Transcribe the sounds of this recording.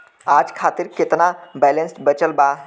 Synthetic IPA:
aːd͡ʒkʰaːt̪iɾkɪt̪nabɛlẽnsʈbət͡ʃəlba

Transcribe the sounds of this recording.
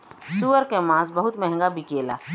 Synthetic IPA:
suʋəɾkemãːsbəɦʊt̪mɛɦɛ̃ŋɡabʱikeːla̰ː

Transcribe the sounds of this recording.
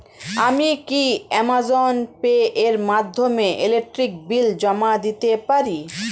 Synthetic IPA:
amikiɛmazonpeʔeɾmad̪ʱːomeʔelek̚ʈɾik̚bild͡ʑɔmad̪it̪epaɾi

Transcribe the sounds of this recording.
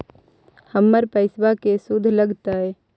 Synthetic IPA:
həmːəɾpəɪsbakesʊd̪ʱːləɡt̪aɦɛ

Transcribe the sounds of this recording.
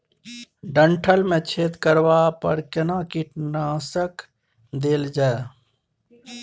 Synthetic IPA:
ɖə̃ɳʈʰəlmẽt͡ʃʰeːt̪kəɾʋaːpəɾkɪnãːkiʈnaːsək | d̪eːld͡ʒae

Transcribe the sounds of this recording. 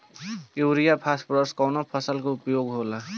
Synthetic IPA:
uwɾijapʰaspɾəskawnopʰʌsəlkoʊpjoɡɦola

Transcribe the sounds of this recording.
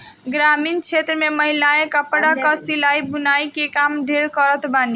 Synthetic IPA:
ɡɾamint͡ʃʰet̪ɾəmeməɦilaẽkəpɽakəsilaibunajkekamɖʱeɾkəɾət̪bani

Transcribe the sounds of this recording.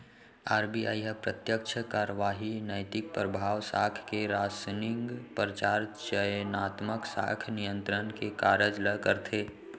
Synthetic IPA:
aːɾbia̰ːjɦəpɾət̪jək̚t͡ʃʰəkaːɾəʋaːɦinəjt̪ɪk̚pɾəbʱaːwsaːkʰkeɾaːsnɪŋɡpɾət͡ʃaːɾt͡ʃəjnaːt̪məksa̰kʰnijə̃nt̪ɾənkekaːɾəd͡ʒləkəɾt̪ʰeː

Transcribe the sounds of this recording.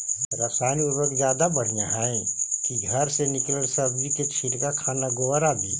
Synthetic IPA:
ɾaːsaːniʊɾwəkzjaːd̪abəɽ̤ijãɦɛẽkiɡʱɐɾsenɪkləɽsɐbd͡ʒiket͡ʃʰilkakʰaːnaɡoɾabʱiː

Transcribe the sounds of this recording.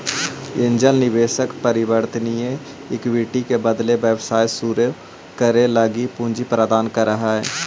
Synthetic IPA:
ɪ̃nd͡ʒəlnɪʋeːʃəkpəɾɪwəɾt̪nije | ɪkʋiːʈikebəd̪lebjəwsaːjsuɾe | kəɾeləɡipũnd͡ʒipɾəd̪aːnkəɾːəɦaɦɛ̰ː

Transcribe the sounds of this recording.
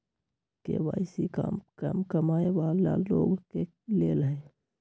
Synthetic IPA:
kḛʋa̰ːɪsikamkəmkəmaːeʋaːlːa̰ːlːoːɡke | leːlɦɛ

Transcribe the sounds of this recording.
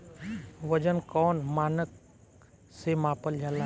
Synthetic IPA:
ʋəd͡ʒənkɔːnmaːnək̚ | semãːpəld͡ʒʱala

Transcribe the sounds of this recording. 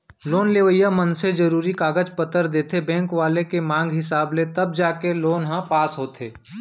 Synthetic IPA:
loːnleːʋəjamənsed͡ʒɐɾuːɾikaːɡəd͡ʒpət̪əɾd̪eːt̪ʰebɛ̃ːŋkʋaːlekemãːŋɡɦɪsaːblet̪ɐb̚d͡ʒaːkeloːnɦãpaːsɦoːt̪ʰeː

